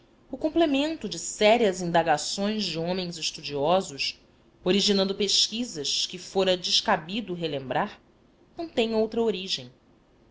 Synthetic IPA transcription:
ʊkõmplemẽnt̪ʊd͡ʒɪsɛɾiɐzĩnd̪aɡasõj̃zd͡ʒɪõmẽj̃zɪʃt̪ud͡ʒiɔzʊʃ | oɾiʒinɐ̃nd̪ʊpeʃkizɐʃkɪfoɾɐd͡ʒɪʃkabid̪ʊɦelẽmbɾaɾ | nɐ̃w̃t̪ẽɲ̃owt̪ɾɐoɾiʒẽj̃

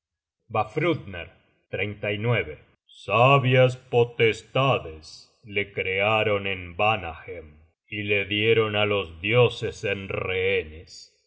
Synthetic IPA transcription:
bafɾud̪nḛɾ | t̪ɾejnt̪ajnweβe | saβjas̬pot̪est̪aðes | lekɾeaɾo̞nembanaxem | ileðjeɾo̞nalo̞zðjo̞sesenreenes

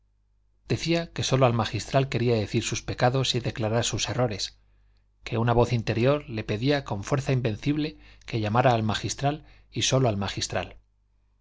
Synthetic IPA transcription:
d̪e̞θiake̞so̞loalmaxist̪ɾalke̞ɾiaðe̞θiɾsuspe̞kaðo̞siðe̞klaɾaɾsuse̞ro̞ɾe̞s | ke̞unaβ̞o̞θint̪e̞ɾjo̞ɾle̞pe̞ðiako̞ɱfwe̞ɾθaimbe̞n̟θiβle̞ke̞ʎamaɾaːlmaxist̪ɾal | iso̞loalmaxist̪ɾa̰l

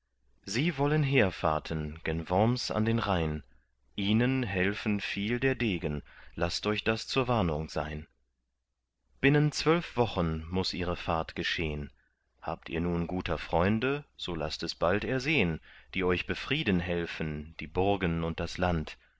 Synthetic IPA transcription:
ziːvɔlənɦeːɐfa̰ɐtʰənɡ̥ɛnvɔmsa̰ndeːnʁaɪn | ʔiːnənɦɛlfn̩fiːldeːɐdeːɡənlastʔɔʏçd̥ast͡suːɐvaɐnʊŋz̥a̰ɪn | b̥ɪnənt͡sv̥œlfv̥ɔχənmʊsʔiːʁəfaɐtɡ̥əʃeːən | ha̰ːp̚tʰḭːɐnuːnɡuːtʰɐfʁ̥ɔʏndəz̥oːla̰stɛsb̥altɛɐzeːənd̥iːɔʏçb̥əfʁ̥iːdənɦɛlfən̩d̥iːbʊɐɡənʊnt̚d̥aslant

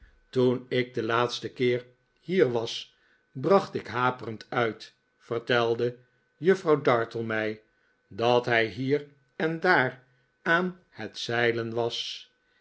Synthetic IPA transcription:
tunɪk̚dəlaːtstəkɪːɹ | hiːɹʋɑs | brɑχtɪkɦaːpərəntœɥt | fərtɛlˠdə | jɵfrɑwdɑɹtəlˠmɛj | dɑtɦɛjɦiːɾ | ɛndaːɹ | aːn | hətsɛjlənʋɑs

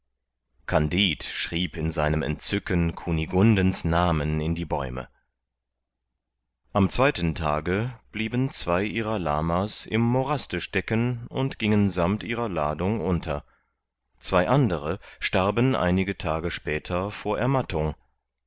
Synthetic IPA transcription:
kʰandiːtʃʁ̥iːpɪnzaɪnəmɛ̰ntt͡sʏkənkʰuniɡʊndənsnaːmənɪndiːbɔ̰ʏmə̰ | ʔamt͡sv̥aɪtən̩tʰa̰ːɡəb̥liːbən̩t͡sv̥aɪʔiːʁɐla̰ːmasɪ̰mːoʁastəʃtɛkənʊntɡ̥ɪŋənzamtʔiːʁɐlaːdʊŋʔʊntʰɐ | t͡sv̥aɪʔandəʁəʃtaɐbənʔa̰ɪnɪɡətʰaːɡəʃpɛːtʰɐfoːɐʔɛɐmatʰʊŋ

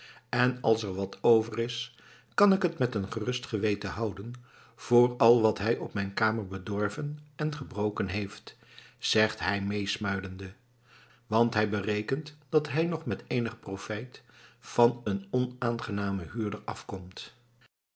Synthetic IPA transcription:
ɛnɑlˠsɛɹʋɑtʰowvərɪs | kɑnɪkɦətmɛtənχərɵstχəʋejtəɦɑwdən | v̥ʊːɹɑlˠʋɑtɦɛjʔɔpmɛjnkaːməɹbədɔɹvənɛnχəbrowkənɦejft | z̥ɛχtɦɛjmejsmœɥdəndə | ʋɑntɦɛjbərejkəntd̥ɑtɦɛjnɔχmɛtejnəχprofɛjtfɑnənɔnaːnχənaːməɦyːɹdəɹɑ̰fkɔmt

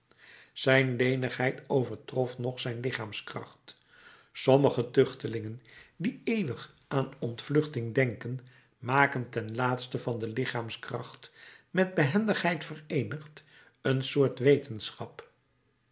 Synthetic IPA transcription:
z̥ɛjnlejnəχɦɛjtowvəɹtrɔfnɔχsɛjnlɪχaːmskrɑ̰χt | sɔməχətɵχtəlɪŋəndiejʋəχ | ʔaːnɔntflɵχtɪŋdɛŋkən | maːkəntɛnlaːtstəvɑndəlɪχaːmskrɑ̰χtmɛd̚bəɦɛndəχɦɛjtfərejnəχt | ənsʊːɹtʋejtənsχɑp

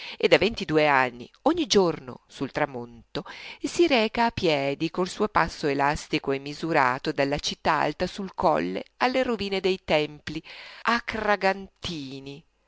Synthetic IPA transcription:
ed̪avent̪id̪uːeanːḭoɲːid͡ʒorno̰sult̪ɾamont̪osiɾɛːkaːpːjɛːd̪ikolsuːopasːoelast̪ikoɛmːizuɾa̰ːt̪od̪alːat͡ʃit̪ːaa̰lt̪asulkɔ̰lːḛalːeɾoviːned̪ejt̪ɛmpliakraɡant̪iːni

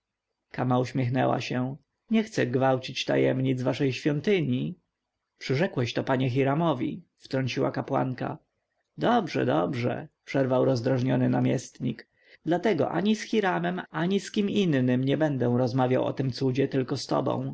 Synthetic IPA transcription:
kamauɕmʲjɛxnɛ̰wa̰ɕɛ | ɲɛxt̪sɛɡvawt͡ɕit͡ɕt̪a̰jɛmɲid̪zvaʂɛjɕfʲjɔnt̪ɘɲi | pʂɘʐɛkwɛɕt̪ɔpaɲɛxiɾamɔvʲḭft̪ɾɔɲt͡ɕiwa̰kapwa̰ŋka̰ | d̪ɔbʐɛ̰d̪ɔbʐɛ̰pʂɛɾvawɾɔzd̪ɾaʐɲɔnɘnamʲjɛst̪ɲik | d̪lat̪ɛɡɔ̰ʔa̰ɲisxʲiɾamɛmaɲiskʲiminːɘmɲɛbɛnd̪ɛw̃ɾɔzmavʲjawʔɔ̰t̪ɘmt̪sud͡ʑɛt̪ɘlkɔst̪ɔ̰bɔ̰̃w̃

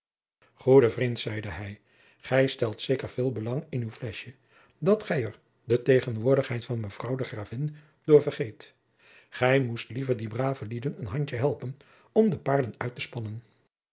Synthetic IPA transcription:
χudəvrintsɛjdəɛj | χɛjstɛlˠtsejkəɹv̥ɪːlˠbəlɑŋɪnywflɛʃjə | dɑtχɛjəɹ | dətejχənʋʊːɹdəχɦɛjtfɑnməv̥rɑwdəχraːvɪn | d̥ʊːɹvərχejt | χɛjmustlivəɹdibraːvəlidənənɦɑɲt͡ʃəɦɛlˠpən | ɔmdəpaːɹdənœɥtəspɑnən

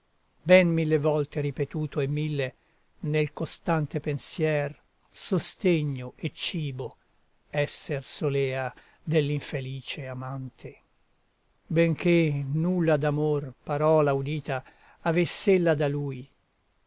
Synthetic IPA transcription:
bɛnmilːevɔlt̪eɾipet̪uːt̪oemːilːe | nelkost̪ant̪epensjɛːr | sost̪eɲːoet͡ʃːiːbo | ɛsːersolɛːa | d̪elːiɱfeliːt͡ʃeamant̪ʰe | beŋkʰenulːad̪amorpaɾɔːlaud̪iːt̪aː | vesːelːad̪aluːj

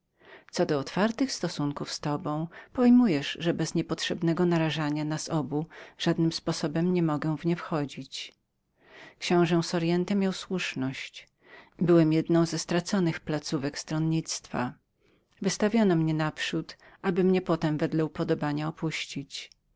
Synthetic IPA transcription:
t̪sɔd̪ɔːt̪faɾt̪ɘxst̪ɔsuŋkufst̪ɔbɔ̃w̃pɔjmujɛʂʐɛbɛzɲɛpɔtʂɛbnɛɡɔnaɾaʐaɲanasɔbuʐ̥ad̪nɘmspɔsɔbɛmɲɛmɔɡɛ̃vɲɛfxɔd͡ʑit͡ɕ | kɕɔ̃w̃ʐɛw̃sɔɾjɛnt̪ɛmʲjawswuʂnɔɕt͡ɕ | bɘwɛmjɛd̪nɔ̃w̃zɛst̪ɾat̪sɔnɘxplat̪suvɛkst̪ɾɔnɲit̪st̪fa̰ | vɘst̪avʲjɔnɔmɲɛnapʂut̪ | ʔabɘmɲɛpɔt̪ɛmvɛd̪lɛupɔd̪ɔbaɲaɔpuɕt͡ɕit͡ɕ

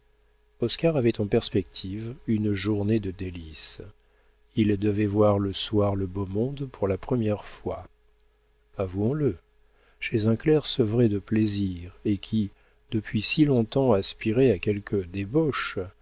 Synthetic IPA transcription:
ɔskaʁavɛt̪ɑ̃pɛʁspɛk̚t̪ʰivynʒuʁned̪əd̪elis | ild̪əvɛvwaʁləswaʁləbomɔ̃d̪puʁlapχəmjɛʁfwa | avuɔ̃lə | ʃezɛ̃klɛʁsəvʁɛd̪əpleziʁekʲʰi | d̪̥əpɥisilɔ̃t̪ɑ̃aspiʁeakʲɛlkʰəd̪ebɔʃ

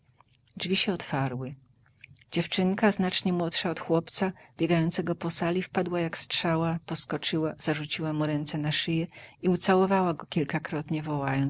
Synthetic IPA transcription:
d͡ʐvʲiɕɛɔt̪faɾwɘ | d͡ʑɛft͡ʂɘŋkaznat͡ʂɲɛmwɔtʂaɔt̪xwɔpt̪sabʲjɛɡajɔnt̪sɛɡɔpɔsalʲifpad̪wajakstʂawapɔskɔt͡ʂɘwaz̥aʐut͡ɕiwamuɾɛnt̪sɛnaʂɘjɛiut̪sawɔvawaɡɔkʲilkakɾɔt̪ɲɛvɔwajɔn

